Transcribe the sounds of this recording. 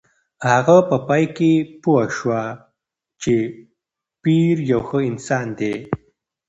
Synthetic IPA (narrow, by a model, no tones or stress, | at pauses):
haɣapəpajkepuaʃwa | t͡ʃe | piɾjawxəɪnsɑnd̪e